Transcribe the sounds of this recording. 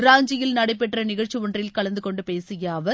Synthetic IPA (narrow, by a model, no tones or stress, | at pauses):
ɾaːɲd͡ʒɪjɪlnɐɽɐɪpːɛʈrɐnɪɣɐɾt͡ʃːiʋɔndrɪlkɐɭɐnd̪ɯkɔɳɖɯpeːsɪjaːʋɐ